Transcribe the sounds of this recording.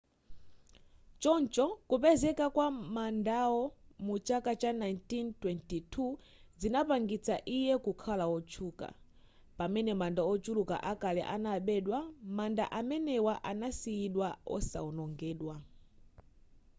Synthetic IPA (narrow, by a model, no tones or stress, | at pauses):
t͡ʃɔnt͡ʃɔkupɛzɛkakwamandaɔmut͡ʃakat͡ʃanajntintwɛntitʰu | zinapaŋɡit͡sʰaʔijɛkukʰalaɔt͡ʃʰuːka̰ | pamɛnɛmandaɔt͡ʃuluka̰ʔakalɛ̰ʔanaɓɛɗwamanda̰ʔamɛnɛwaʔanasijiɗwaɔ̰sa̰ɔnɔŋɡɛːɗwa